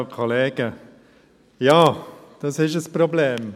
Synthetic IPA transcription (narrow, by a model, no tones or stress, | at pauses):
kʰɔleːɡə | jɑːd̪̥ɑsɪʃəspʰɾʊbleːm